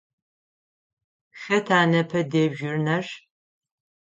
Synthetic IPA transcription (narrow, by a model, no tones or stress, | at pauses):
xɐtʰaːnɐpʰɐdeːbʒɪrnɐʃ